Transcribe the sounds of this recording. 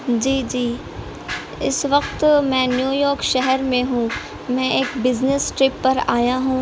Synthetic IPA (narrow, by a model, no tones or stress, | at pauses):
d͡ʑiːd͡ʑiː | ɪsʋɐqt̪mɛ̃ːnjuːjɔːɾkʃɛɦɛɾmẽɦũː | mɛ̃ːʔɪːkbɪznɪsʈɾɪpːɐɾaːjaɦũː